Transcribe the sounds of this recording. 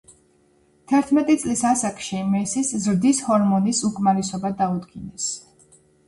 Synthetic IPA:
t̪ʰɛɾt̪ʰmɛt̪ʼit̪sʼlisasakʼʃimɛsiszɾd̪ishɔɾmɔnisukʼmaɾisɔbad̪aud̪ɡinɛs

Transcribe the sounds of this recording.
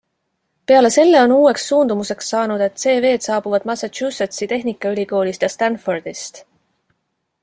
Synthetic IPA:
pe̞ɑle̞se̞lːe̞o̞nuːe̞ksːuːnd̪̥umuse̞ksːɑːnud̪̥e̞t̪ːˑse̞ːve̞ːd̪sɑːb̥uvɑd̪̥mɑsɑt̪t͡ʃuset̪sit̪e̞ɦnikːˑɑylʲiko̞ːlist̪jɑst̪ænford̪̥ist̪

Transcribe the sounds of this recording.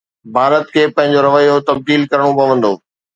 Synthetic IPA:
bʱaːɾət̪kʰeːpɐ̃ɦɪ̃ɲd͡ʑoɾɐʋəjːot̪ɐb̚d̪iːlkɐɾəɽ̃opɐʋə̃nd̪oː

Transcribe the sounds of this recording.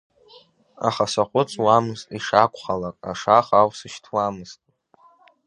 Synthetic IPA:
a̰χasaqʷʼʊt͡sʼwamɨztʼiʂakʷʰʼχalakʼa̰ʂaχawsɨʃtʰwamɨz̥tʼ

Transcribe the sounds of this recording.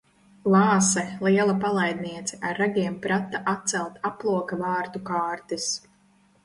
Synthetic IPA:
lˠɑːsɛlˠiɛlˠapalˠajd̪̚niɛt̪sɛʔaɾːaɡʲiɛmpɾat̪ːaʔat̪̚sɛlˠt̪aplˠuɔkavaːɾt̪ukaːɾt̪is

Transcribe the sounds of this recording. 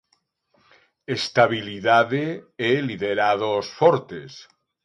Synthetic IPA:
est̪aβiliðaðeeliðeɾaðosfɔɾt̪es

